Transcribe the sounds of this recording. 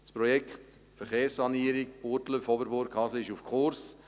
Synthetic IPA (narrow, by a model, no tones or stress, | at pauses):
spɾɔjɛkχt | fəɾχeːɾsːɑniːəɾɪk̚pʊɾtləfɔbəɾbʊɾkʰhɑsləɪʃufkʰχʊɾs